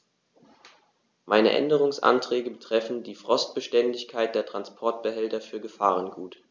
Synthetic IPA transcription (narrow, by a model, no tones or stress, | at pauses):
maɪnə̰ʔɛ̰ndəʁ̞ʊŋsʔa̰ntʁ̥ɛːɡəbətʁ̥ɛfn̩diːfʁ̥ɔst̚b̥əʃtɛndɪçkʰaɪt̚d̥eːɐtʁ̥anspʰɔɐtb̥əɦɛltɐfyːɐɡəfaːʁ̞ənɡuːt